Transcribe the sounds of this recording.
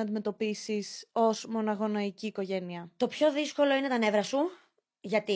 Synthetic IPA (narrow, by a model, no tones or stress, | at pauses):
ɐnd̪ime̞t̪o̞pisiso̞zmo̞nɐɣo̞nɐiciːko̞ʝe̞niɐt̪o̞pço̞ðisko̞lo̞ine̞t̪ɐne̞vɾɐsu | ʝɐt̪i